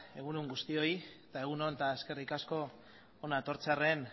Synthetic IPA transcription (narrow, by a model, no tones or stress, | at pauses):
e̞ɣunuŋɡust̪io̞it̪ae̞ɣ̞uno̞nt̪aeske̞rikasko̞ | onat̪o̞ɾt͡seare̞n